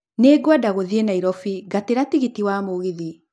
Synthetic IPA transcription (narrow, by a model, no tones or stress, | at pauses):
neːɡwadaɣoðienaiɾɔfiɡateɾatiɣitiwaːmoɣiði